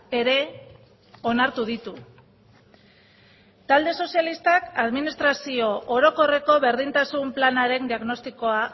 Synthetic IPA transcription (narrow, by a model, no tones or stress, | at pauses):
e̞ɾe̞ | o̞naɾt̪uðit̪u | t̪ald̪e̞so̞sialist̪akaðminist̪ɾasio̞ʔoɾo̞ko̞re̞ko̞βe̞ɾðint̪asumplanaɾe̞nd̪iaɣno̞st̪iko̞a